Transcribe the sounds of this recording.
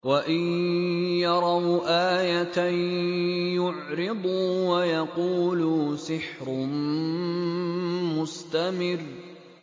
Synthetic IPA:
waʔɪnjɑɾˤɑwʔaːjat̪a | jʊʕɾɪd̪ˤuwajɑquːlusɪħɾʊn | mʊst̪amɪr

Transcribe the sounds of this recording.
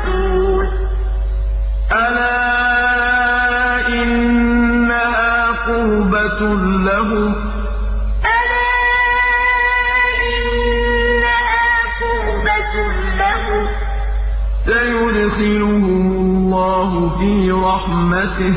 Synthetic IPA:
ʔalaː | ʔɪnː | aɦaː | qʊːbat | laɦʊ | ʔalaː | ʔɪ | nnnː | aɦaːqʊː | bat̪ | laɦʊ | sajʊdxɪlʊɦʊllːɑːɦʊfiːɾˤɑħ | mat̪ɪh

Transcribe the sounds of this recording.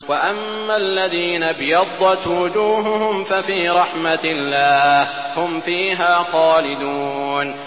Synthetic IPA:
waʔamːalːaðiːnabɪjɑd̪ˤːɑt̪wʊd͡ʒuːɦʊhʊmfafiːɾˤɑħmatlːaːh | hʊmfiːɦaːxɑːlɪd̪uːn

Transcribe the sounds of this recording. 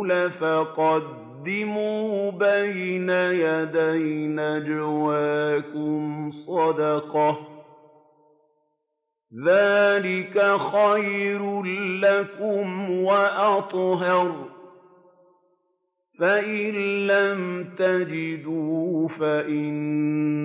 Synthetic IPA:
lafaqɑd̪ːɪmuːbajnajad̪ajnad͡ʒawaːkʊmsˤɑd̪ɑqɑ | ðaːlɪkaxajɾlakʊmwaʔɑt̪ˤɦɑɾ | faʔɪnːamt̪ad͡ʒɪd̪uːfaʔɪn

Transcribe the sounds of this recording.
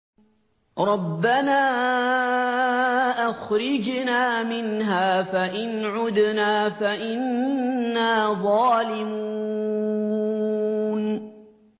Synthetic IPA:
ɾˤɑbːanaː | ʔaxɾɪd͡ʒnaːmɪnɦaːfaʔɪnʕʊd̪naːfaʔɪnː | aːðˤɑːlɪmuː | n

